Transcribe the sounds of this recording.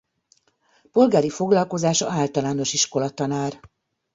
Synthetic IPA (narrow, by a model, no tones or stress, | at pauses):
po̞lɡaːɾifo̞ɡlɒlko̞zaːʃɒ̰aːlt̪ɒlaːno̞ʃiʃko̞lɒt̪ɒnaːr